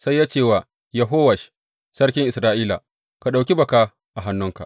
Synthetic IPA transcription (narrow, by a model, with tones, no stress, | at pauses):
sa˦jːaː˦t͡ʃeː˦˨waː˨ | jɐ˨ɦoː˦wɐ˨ʃ | sɐ˦ɽkʲɪ˦ŋʔɪ˨sɾaː˦ʔiː˦la̰˨ | ka˨ɗa˨wkʲi˦bɐ˨kaː˦ | ʔa˨ɦa˦nːʊ˦ŋka̰˨ʔ